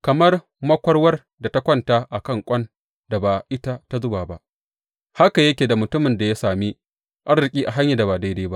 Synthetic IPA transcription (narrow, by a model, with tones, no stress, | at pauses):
kɐ˨mɐ˦r | mɐ˦kʷɐ˦rwɐ˦r | da˨ta˦kʷɐ˦ntaː˦ʔa˨kɐ˦˨ŋkʷʼɐ˦n | da˨baː˨ʔɪ˦ta˦ta˦zʊ˦baː˨ba˦ʔ | ha˦ka˨jɐ˦kʲeː˨da˨mʊ˨tʊ˦mɪ˨nda˨ja˦saː˨miː˦ | ʔa˦rɾɪ˨kʲʼiː˦ʔa˨ɦa˦ɲja˨da˨baː˨da˦jdeː˦ba̰˦ʔ